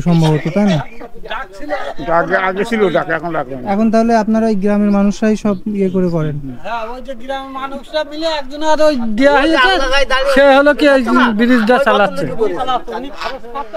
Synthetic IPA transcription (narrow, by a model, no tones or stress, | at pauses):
ʃɔmbʱabot̪ot̪ajna | iit̪aɡeaɡet͡ɕʰiloɖakɛkʰonlaɡ̚anɛkʰont̪aɦoleapnaɾaejɡɾameɾmanuʃɾaijʃɔbiekoɾekɔɾenojd͡ʑeɡɾamemanuʃɾamileɛkd͡ʑonaɾojd̪ejaɦojet͡ɕʰeʃeɦolokiejbiɾid͡ʑʱɖasalatːt͡ɕʰe